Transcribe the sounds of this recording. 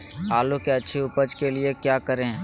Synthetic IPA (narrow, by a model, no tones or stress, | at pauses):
aːlokeɐtːʃʰiʊpəd͡ʒkeliekjaːkɐɾẽɦ